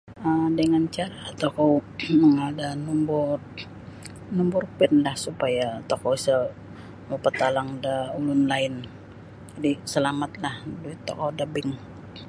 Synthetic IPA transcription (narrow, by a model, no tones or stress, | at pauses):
ədəŋant͡ʃaɾat̪okowməŋadanumbɔr | numbʊrpɛnlahsupajat̪okoisə | mopət̪alaŋdaulʊnlaɪn | d͡ʒadisəlamat̪̚lahduɪt̪ːo̰kɔdabɪŋ